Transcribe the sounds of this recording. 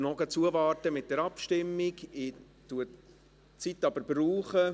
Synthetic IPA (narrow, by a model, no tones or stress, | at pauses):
nɔɡət͡suəvɑːrtəmɪt̚d̥ɛɾɑpʃtɪmːiɡɪ | tuə | t͡sitːɑb̥əɾbruːχə